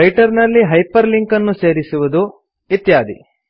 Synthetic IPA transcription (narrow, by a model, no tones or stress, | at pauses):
ɾɐjʈɐɾnɐlːiɦɐjpɐɾliŋkɐnːuse̞ːɾisuʋud̪u | it̪jaːd̪ḭ